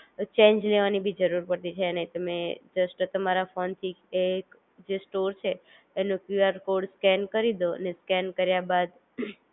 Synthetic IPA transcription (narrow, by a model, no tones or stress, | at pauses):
t͡ʃẽnd͡ʒleʋanibʱid͡ʒəɾuɾpəɾt̪it͡ʃʰenəĩt̪əmed͡ʒəsʈt̪əmaɾafont̪ʰiek | d͡ʒesʈoɾt͡ʃʰeː | nõkjuaɾkoɖskɛnkəɾid̪oə̰neskɛnkəɾjabad̪